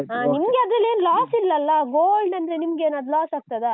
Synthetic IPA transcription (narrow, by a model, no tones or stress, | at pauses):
aːnimɐɡeɐd̪ɾɐlːe̞ːnlaːsilːɐlːɐɡoːlɖɐnd̪ɐɾenimɐɡeːnad̪laːsaːɡ̚t̪ɐd̪e